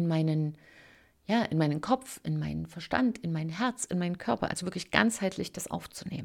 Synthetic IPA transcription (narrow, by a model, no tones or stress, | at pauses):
nmaɪnən | jaːʔɪ̰nmaɪnənkʰɔp͡fʔɪnmaɪnənfɛɐʃta̰ntɪnmaɪnənɦɛɐt͡sɪnmaɪnənkʰœɐpɐ̰ʔa̰lzovɪɐklɪçɡ̥a̰nt͡shaɪtʰlɪçd̥asʔa̰ʊft͡sunḛːmən